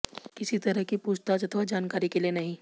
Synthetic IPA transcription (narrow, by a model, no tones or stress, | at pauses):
kɪsit̪ɐɾəɦkipuːd͡ʒt̪ad͡ʒɐt̪ʰʋad͡ʒaːnkaːɾikelienɐɦĩ